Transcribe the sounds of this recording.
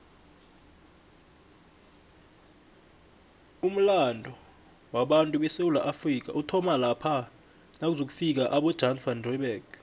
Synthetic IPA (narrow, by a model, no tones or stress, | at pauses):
um̩landʱɔ | waɓantʼuɓɛsewulaʔafrik̬a̰ʔutʰɔmalapʰa | nak̬uzok̬u̥fik̬aʔaɓɔd̥ʒ̥ʱanfandrɔɓɛɡ̥